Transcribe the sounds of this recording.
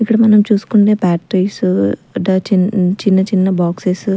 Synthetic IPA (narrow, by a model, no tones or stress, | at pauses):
ikːɐɽɐmɐnɐmt͡ʃuːsu̥kuɳʈeːpaːʈɾisɐɖɐt͡ʃint͡ʃinːɐt͡ʃinːɐbaːkses